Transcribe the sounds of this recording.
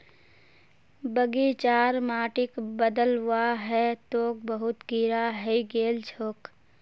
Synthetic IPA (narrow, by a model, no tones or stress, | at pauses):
bəɡit͡ʃaːɾmaːʈɪkbəd̪əlwaɦɛt̪oːk̚bəɦʊt̪ɡiɾaɦɛiɡeːld͡ʒʰʱoːk